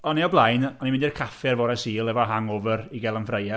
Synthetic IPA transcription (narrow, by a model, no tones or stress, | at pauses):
ɔneɔblˠajnɔnimɪ̃ndirkʰafɛrvɔɾɛsiːlˠɛvɔɦaŋɔvəriɡɛlˠənfrejɛ